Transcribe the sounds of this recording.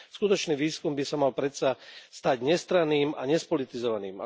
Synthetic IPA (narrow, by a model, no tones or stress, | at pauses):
skut̪ɔt͡ʃniːʋiːskumbisamalpɾɛt̪sast̪aɟɲɛst̪ɾaniːmaɲɛspɔlit̪izɔʋaniːma̰